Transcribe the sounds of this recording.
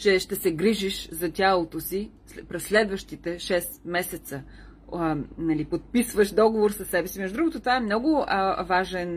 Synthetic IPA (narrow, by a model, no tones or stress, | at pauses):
t͡ʃɛʃt̪ɛsɛɡɾiʒiʃzɐtʲalˠot̪osi | pɾɛsːlɛd̪vəʃt̪it̪ɛʃɛsmɛsɛt̪sə | nɐlipot̪̚pisvəʃd̪ɔɡovoɾsɐsːɛbɛsimɛʒʊd̪ɾuɡot̪ot̪vaɛmnɔɡʊvaʒɛn